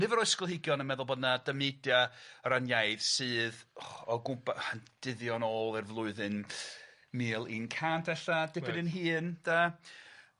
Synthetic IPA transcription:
nɪvəɾɔɨskɔlˠhɪɡjɔnənmɛðʊlˠbɔdnadəmedjaɾanjajðsɨːðɔɡʊmpand̥ɪðjɔnoːlˠɛrvlˠʊɨðɨn | mɨːlˠinkʰantʰɛɬadɪ̥ɪnɨnɦɨːnd̥a

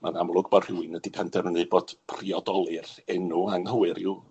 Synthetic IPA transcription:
manamlˠʊɡbɔd̥r̥ɪwɪnədɪpʰɛndɛmənɨboːd̥pʰriɔdɔlˠɨrɛnuaŋhəwɨɾɪw

